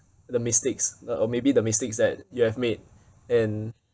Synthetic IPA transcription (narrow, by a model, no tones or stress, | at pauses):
dəmɪstɪksɔmebidəmistɪksdɛt̚juhɛvmed̚ | ɛ̃n